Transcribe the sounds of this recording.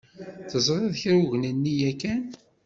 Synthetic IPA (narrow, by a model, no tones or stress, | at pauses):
θəzˤɾˤeðçɾuʝnənːijækːæn